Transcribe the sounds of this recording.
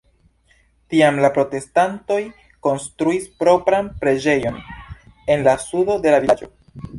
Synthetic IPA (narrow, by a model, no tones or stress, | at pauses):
tiamlapɾo̞te̞stanto̞j | ko̞nstɾuispɾo̞pɾanpɾe̞d͡ʒe̞jo̞n | e̞nlasudo̞de̞laviad͡ʒo̞̰